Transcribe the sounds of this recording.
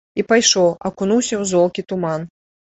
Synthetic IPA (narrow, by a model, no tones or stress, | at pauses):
ipajʂɔwɐ̰kunuwsʲɐwzɔlˠkʲit̪uman